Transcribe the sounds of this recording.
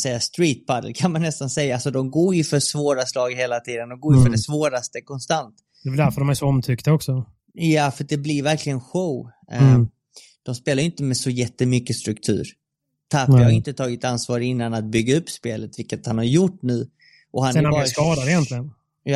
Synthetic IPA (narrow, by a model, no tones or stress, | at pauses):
sɛjːast̪ɾiːt̪̚pʰad̪ə̰lkʰanmanːɛst̪ansɛjːaalsɔd̪ɔmɡoːɾjɪʏfœsvoːɾaslɑːɡheːlat̪ʰiːd̪ənd̪ɔmɡoːɾjɪfœɖɛsvoːɾast̪əkʰɔnst̪ant̪ | d̪ɛʋɛld̪æɾfœɖɔmæɾʂɔɔmt̪ʰʏkt̪aɔksɔ | jafœʈ̚d̪ɛblɪɾvæɾklɪɡənɧəw | d̪̥ɔmspeːlajʏʏnt̪əmɛsɔjɛt̪ːəmʏkːəst̪ɾɵkt̪ʰʉ̟̰ːɾ | t̪ʰafɾjɑhaɾɪnt̪ət̪ʰɑːɡɪt̪ansvɑːɾəɪnːanat̪̚bʏɡːaɵpːspeːlət̪vɪlkat̪hanhaɾjʊʈːnʉ̟ː | ʔɔhanɛabɑːɾaskɑːd̪aɾɪjɛnt̪lɪɡən | j